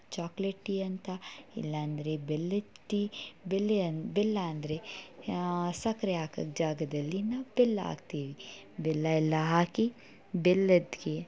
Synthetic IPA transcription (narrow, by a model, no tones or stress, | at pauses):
t͡ʃaːkleʈːiɐnt̪ɐḭlːɐːnd̪ɐɾebelːeʈːibelːebelːɐɐnd̪ɐɾe | sɐkɐɾeaːkɐ̰ɡd͡ʒaːɡɐd̪ɐlːinaːʋbelːa̰ːɡ̚t̪iːʋi | belːɐilːɐɦaːki | belːɐd̪ɡe